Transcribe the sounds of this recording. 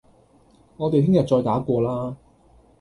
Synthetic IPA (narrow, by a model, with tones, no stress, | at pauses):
ŋɔː˨˧e˨jt̪hʰɪ˥ŋjɐ˨t̚t͡ʃɔː˧jt̪aː˨˥kʷɔː˧laː˥